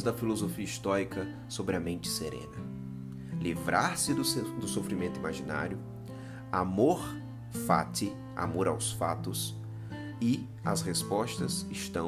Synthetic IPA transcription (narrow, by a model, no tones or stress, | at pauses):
zd̪ɐfilozofiɐist̪ɔɾikɐ | sobɾɪɐmẽnt͡ʃɪ̥seɾḛ̃nɐ | livɾʔaɾsɪd̪ʊsofɾimẽnt̪uimaʒina̰ɾjʊ | amoɾ | fa̰t̪ɪ | a̰moɾa̰wsfat̪ʊs | ɪ | ɐ̰shespɔʃt̪ɐzɪʃt̪ɐ̃